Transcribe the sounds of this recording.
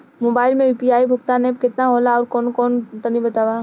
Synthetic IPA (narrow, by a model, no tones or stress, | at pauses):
moːbaːɪlmẽjuːpiaːibʱʊk̚t̪aneb̚kɪt̪naɦoːlaɔːɾkɔːnkɔːnt̪ɐnibɐt̪aːʋaː